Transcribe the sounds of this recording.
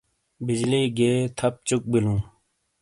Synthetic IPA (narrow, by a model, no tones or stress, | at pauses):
bid͡ʑliːɡeːt̪ʰɐp̚t͡ɕuk̚bilũː